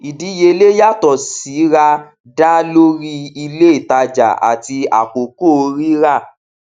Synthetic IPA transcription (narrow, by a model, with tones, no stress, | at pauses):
i˨di˨˦je˧le˦ja˦˨tɔ˨si˨˦ɾa˧ | da˦lo˦ɾi˦i˧le˦i˦˨ta˧d͡ʒa̰˨a̰˨ti˧a̰˨k͡po˨ko˦˨˧ɾi˦ɾa˦˨